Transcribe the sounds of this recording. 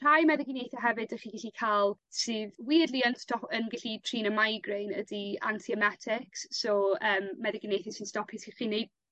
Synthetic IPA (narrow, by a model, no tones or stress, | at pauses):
rajmɛðɪɡinejθjaɦɛvɨdəχiːɡɛɬikʰalˠsɨːðwiːədlˠiənstɔpənɡɪɬitʰriːnəmajɡrejnə̰dia̰ntʰiɛmɛtʰɪkssɔəːmːɛðɪɡɪnejθasɪnstɔpʰhisiχinejd̥̚